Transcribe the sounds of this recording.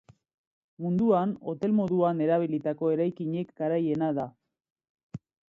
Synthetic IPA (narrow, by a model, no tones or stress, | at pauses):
mund̪uano̞t̪e̞lmo̞ðuane̞ɾaβ̞ilit̪ako̞e̞ɾajkiɲe̞kɡaɾaje̞naða